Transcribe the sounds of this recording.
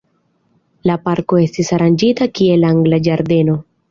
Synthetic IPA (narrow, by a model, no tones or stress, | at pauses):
lapaɾko̞e̞stisaɾand͡ʒitakie̞laŋɡlad͡ʒaɾde̞no̞